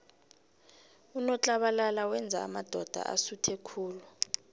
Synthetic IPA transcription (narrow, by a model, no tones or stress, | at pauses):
unɔt͡ɬʼaɓalalawɛnd͡zʱa̰ːmad̥ʱɔd̥ʱa̰ʔa̰sutʰekʰuːlu